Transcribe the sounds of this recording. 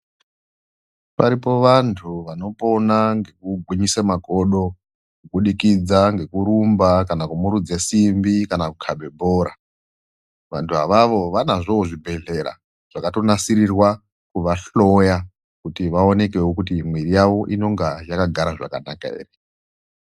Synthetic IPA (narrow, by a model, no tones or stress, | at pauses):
paɾipo̞ʋantʰuʋano̞po̞naŋɡe̞kuɡʱwiɲisamakoɗo̞ | kuɓuɗikid͡zaŋɡe̞kuɾumbakanakumuɾud͡zesimbikanakukʰaɓʱe̞bʱoɾa | ʋa̰ntʰuɦaʋaʋo̞ʋanaʐooʐibʱe̞ɮe̞ɾa̰ | ʐ̥akato̞nasirirwa | kuʋaɬo̞ja | kutiʋao̞ne̞ke̞wokutimwirijaʋo̞ʔino̞ŋɡajakaɡʱaɾaʐa̰kanaka̰ḛːre